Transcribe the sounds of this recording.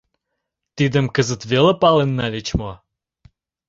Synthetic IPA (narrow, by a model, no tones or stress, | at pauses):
t̪id̪ə̆mkəzə̆t̪veləpɑlenːɑlet͡ɕmo